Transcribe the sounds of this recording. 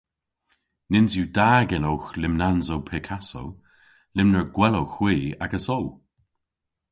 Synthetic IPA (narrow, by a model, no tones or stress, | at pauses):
nɪnzjuːdaːɡənowxlɪmnanzowpʰɛkʰaso̰w | lɪmnəɹɡwɛlowxw̥iːa̰ɡəsow